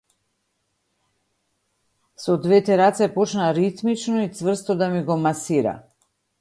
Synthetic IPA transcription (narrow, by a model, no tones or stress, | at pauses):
sɔd̪vɛt̪ɛɾat̪sɛpɔt͡ʃnaɾit̪mit͡ʃnɔit̪svr̩st̪ɔd̪amiɡɔmasiɾa̰